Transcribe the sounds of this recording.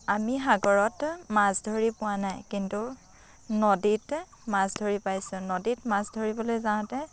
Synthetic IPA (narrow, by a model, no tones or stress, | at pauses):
amiɦaɡɔɹɔtmasdʱoɹipʊwanajkintu | nɔdit | masdʱoɹipajsʊ̃nɔditmasdʱoɹibɔlojzãtɛ